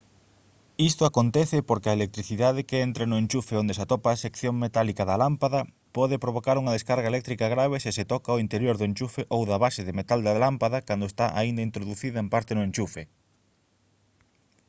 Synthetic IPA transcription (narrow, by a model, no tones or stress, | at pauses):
ist̪oakont̪ɛθɪpoɾkeɐelek̚t̪ɾiθiðaðekeent̪ɾenʊent͡ʃufeond̪esat̪ɔpaːsekθjoŋmet̪alikaðɐlampaðɐ | pɔðepɾoβ̞okaɾuŋaðeskaɾɣaelɛk̚t̪ɾikaɣɾaβ̞esɪsɪt̪ɔkaoint̪eɾjoɾðʊẽɲt͡ʃufeʔowðɐβaseðemet̪ald̪alampaðakand̪oest̪aʔaind̪aint̪ɾoðuθiðɐempaɾt̪enʊẽɲt͡ʃufe